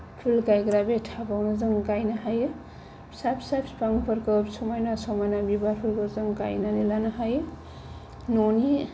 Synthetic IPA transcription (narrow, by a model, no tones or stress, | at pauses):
pʰulkajɡɾabetʰabawnazɯŋkajnaɦaj | sapsapspaŋpʰʌɾkɯpsɔmɔjnasɔmɔjnabibaɾpʰulkɯzɯŋka̰jnanilanaɦaj | noni